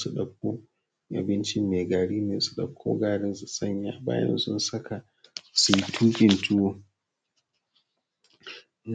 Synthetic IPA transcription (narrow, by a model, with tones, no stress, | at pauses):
su˨ɗɐ˨k̚kʷːoː˦ | ʔa̰˨bɪ˦nt͡ʃɪ˦mːeː˨ɡaː˨ɽiː˦neː˨su̥˨ɗɐ˨kkʷʰːo̰ː˦ɡaː˦ɽɪ˦nsu˨sʼɐ˦ɲja̰ː˨ba̰ː˦jɐ̰˦nsʊ˦nsɐ˦ka˨ | su˨ji˦tʰuː˦kʲɪ˨ntʊ˦woː˨ | n